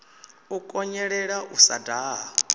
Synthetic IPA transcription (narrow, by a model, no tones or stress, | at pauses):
ukʼɔɲɛɺɛɺaʔusa̰daːɦɔ